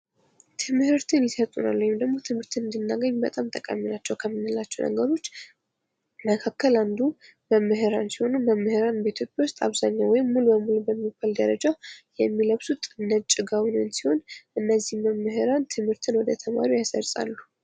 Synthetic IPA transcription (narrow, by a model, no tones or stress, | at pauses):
t̪ʰɨmhɨɾt̪ʰɨnjɪsət̪ʼuna̰lːuwjɪmd̪əɡmo̞t̪ʰɨmhɨɾt̪ʰɨnɨnd̪ɨnːaɡəɲːbət̪ʼamt̪ʼəkʼa̰mːinat͡ʃːɛwkʰəmːinːɨlat͡ʃːɛwnʔə̰ɡəɾo̞t͡ʃː | məkʰakːəland̪u | məmːɨɦɨɾansiho̞numəmːɨhɨɾanbəit̪ʰjo̞pʼjawʊst̪ʼaβzaɲːawɔjɪmːulubəmulubəmːifald̪əɾəd͡ʒajɛmːiləβsut̪ʼnːət͡ʃʼːɪɡawnɨnsiho̞nʔɨnːəzːihməmːɨɦɨɾant̪ʰɨmhɨɾt̪ʰɨnwɔd̪ət̪ʰəma̰ɾiojasəɾsʼa̰lːu